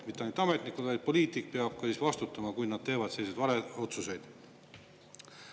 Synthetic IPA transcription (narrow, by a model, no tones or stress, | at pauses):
mit̪ːˑeɑnt̪ɑme̞t̪nikud̪vɑjd̪̥̚po̞liːt̪ik̚peɑb̥̚kɑsiːsvɑst̪ut̪ːˑɑmɑkuj̪nɑd̪̥̚t̪e̞ːvɑd̪̥se̞lːised̪vɑɾeo̞t̪suse̞jd̪̥